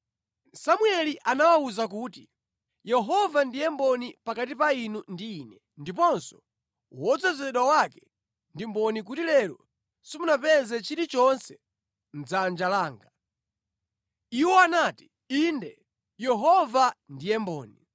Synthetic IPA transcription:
samwɛliʔanawauzak̬uːti | jɛɦɔvandijɛmbɔnipakatipainundiːnɛ | ndip̬ɔnsɔ̥ | wɔd͡zɛzɛɗwawakɛ | ndimbɔnik̬utilɛɾɔ | simunapɛzɛt͡ʃiɾit͡ʃɔnsɛ̥ | n̩d͡zand͡ʒalaːŋɡa | iwɔanaːti̥ | indɛ | jɛɦɔvandijɛmbɔːni

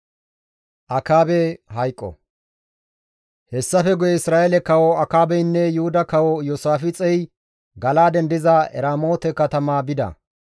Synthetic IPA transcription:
ʔɐkaːbɛɦɐjkʼːɔ̰ | hɛsːɐfɛɡʊjɛɪsɾaːʔɛlɛkɐwɔɐkaːbɛjnːɛjʊhʊd̪ɐkɐwɔjoːsaːfɪt͡sʼɛj | ɡɐlaːd̪ɛnd̪ɪzɐɛ̰ɾaːmoːt̪ɛkɐt̪ɐmaːbɪd̪ɐ̰

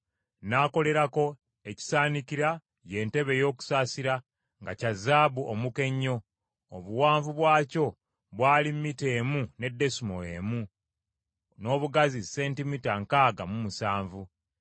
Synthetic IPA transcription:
naːko̞le̞ɾako̞ | e̞ci̥saːniciɾa | je̞ːnte̞βe̞jo̞ːku̥saːsiɾa | ŋɡacazaːβuʔomuke̞ɲːo̞ː | βuwaːɱvuβwaːco̞ | βwaːlimːite̞ːmune̞dːe̞sumo̞e̞ːmu | no̞ːβuɡazise̞ːntimitaŋkaːɡamumusaːɱvu

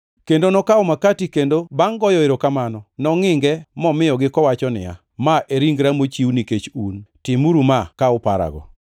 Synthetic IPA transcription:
kendonɔkaomakatikendobaŋɡɔjɔeɾokamanɔnɔŋɪŋɡɛmɔmɪjɔɡɪkɔwat͡ʃɔnɪ̰ja̰ | maʔeɾiŋɡɾamot͡ʃiwniket͡ʃuntɪmuɾumakaʊpa̰ɾa̰ɡɔ̰

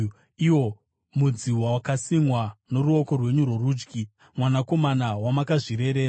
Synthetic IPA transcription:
iwo̞ | mud͡ziwawakasimwano̞ɾuo̞ko̞rwe̞ɲurworuːd͡ʒɡi | mwanako̞manawamakaʐiɾe̞ɾe̞ːɾa

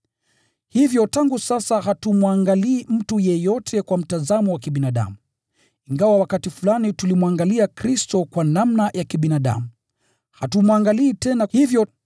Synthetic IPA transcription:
hivjɔtaŋɡusasaɦatumwaŋɡaliːm̩tujɛjɔtʰɛkwam̩tazamɔwakiɓinaɗa̰mu | iŋɡawawakatifulanitulimwaŋɡaliakɾistɔkwanamnajʔakiɓinaɗa̰mu | hatumwaŋɡaliːtɛnahivjɔ

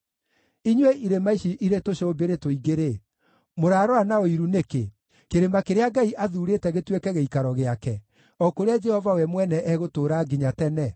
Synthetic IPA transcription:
iɲweʔiɾemaiʃiʔiɾetoʃobeɾetoiɡeɾe | moɾaːɾɔanaoiɾuneke | keɾemakeɾeaɡaiʔaðuɾetɛɣetwekɛɣeikaɾɔɣeakɛ | ɔkoɾead͡ʒɛhɔvawɛmwɛnɛʔɛɣotoːɾaːɡiɲatɛnɛ

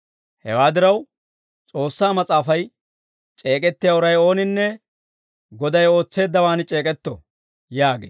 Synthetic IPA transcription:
hɛ̰waːd̪ɪɾɐw | t͡sʼo̞ːsːaːmɐt͡sʼaːfɐj | t͡ʃʼe̞ːkʼɛt̪ːɪjɐʊɾɐjo̞ːnɪnːɛ | ɡɔd̪ɐjo̞ːt͡sːe̞ːd̪ːɐwaːnɪt͡ʃʼe̞ːkʼɛt̪ːɔ | jaːɡḛː

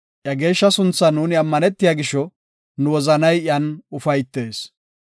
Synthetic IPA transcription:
ʔjɐɡe̞ːʃːɐsʊnt͡sːɐnuːnɪɐmːɐnɛt̪ːɪjaɡɪʃːɔ | nʊwɔzɐnɐjʔɐnʊfɐjt̪ːe̞ːs

